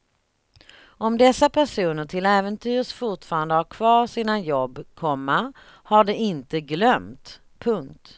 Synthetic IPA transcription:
ɔmd̪ɛsːapʰæʂuːnəʈʰɪlɛːvənt̪ʰyːɾʂfʊʈfɑːɾand̪əhaɾkʰvɑːɾʂiːnajɔbːkʰɔmːa | haɖɛɪnt̪əɡlœmt̪ | pʰɵŋkt̪

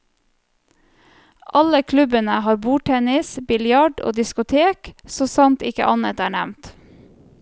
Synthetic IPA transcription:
ʔɑləkʰlʉbənəhɑːɾbuːʈʰɛnɪsbɪljɑɖo̰ːd̪ɪskʊt̪ʰeːksoːsɑnt̪ɪkə̰ʔɑnət̪æːɳæmnt̪

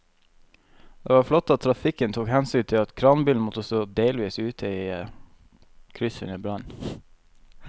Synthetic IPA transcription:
d̪̥ḛːʋɑːɾflɔt̪ːɑt̪̚ʰɾɑfɪkənt̪ʰuːkhɛnsyːnt̪ʰɪlɑt̪kʰɾɑnbʏlnmɔt̪əst̪oːd̪eːlʋiːsʉːt̪ʰəiː | kʰɾʏsə̰nəbɾɑn

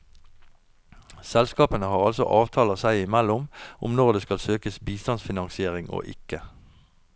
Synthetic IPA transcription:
sɛlskɑːpənəhɑːʁɑlsɔ̰ʔɑːʋt̪ʰɑːləsæɪɪmælʊmʔʊ̰mnɔʁd̪eːskɑlsøːkəsbiːst̪ɑnsfɪnɑŋsɪeːʁɪŋo̰ːʔɪ̰kə

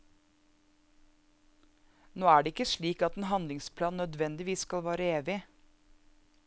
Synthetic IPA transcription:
noːæːɖeːɪkəʃɭiːkɑt̪eːnhɑnlɪŋspʰlɑːnnœd̪ʋɛnd̪ɪʋiːsskɑlʋæːɾəeːʋɪ

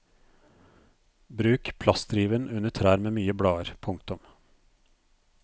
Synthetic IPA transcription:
bɾʉːkpʰlɑst̪ɾiːʋənʔʉnəʈʰɾæːɾmeːmyːəbɽɑːəɾpʰʊŋk̚t̪ʊm

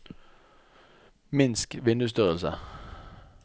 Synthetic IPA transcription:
mɪnskʋɪnd̪ʉst̪yːʁəlsə̰

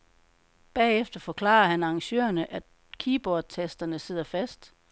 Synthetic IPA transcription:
b̥ɛ̰ːefd̥ɐfɒ̽kʰlɑ̰̈ːɐhænɑ̈ŋɕø̰ːɐnəʔæ̥ | kʰiːb̥ɒːd̥̚t͡sʰesd̥ɐnəse̝ð̞̰ˠɐfæsd̥

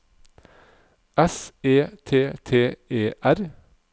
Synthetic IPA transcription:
ʔɛseːt̪ʰeːt̪ʰeːeːʔæɾ

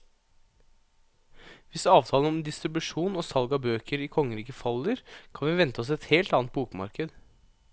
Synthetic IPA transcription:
ʋɪsɑːʋt̪ʰɑːln̩ɔmd̪ɪst̪ɾɪbʉʂuːnoːsɑlɡɑbøːkəɾiːkʰɔŋːəɾiːkəfɑlːəɾkʰɑnʋɪʋɛnt̪əɔs̬ɛt̪heːlt̪ɑːnt̪̚buːkmɑ̰ɾkəd̪

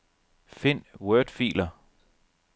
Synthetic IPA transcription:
fe̝n̰wœd̥fḭːlɐ

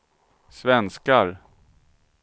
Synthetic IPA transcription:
svɛnskaɾ

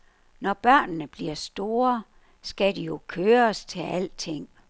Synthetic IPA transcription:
nɒb̥ɶɐ̰nnəb̥liɐsd̥o̝ːɐ | sɡ̥ædijo̝kʰøːɐst͡sʰe̝læl̰t͡sʰe̝ŋ̰

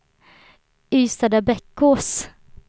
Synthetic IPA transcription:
yːsad̪əbɛkːʊs

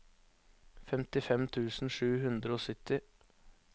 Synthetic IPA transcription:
fɛmt̪ɪfɛmt̪ʰʉːsn̩ʂʉːhʉnd̪ɾəoːsʏt̪ɪ

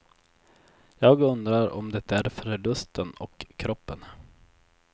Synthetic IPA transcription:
jɑːɡɵnd̪ɾaɾɔ̰md̪ɛt̪ːæɾfɾəlɵst̪ənɔkʰːɾɔpːən

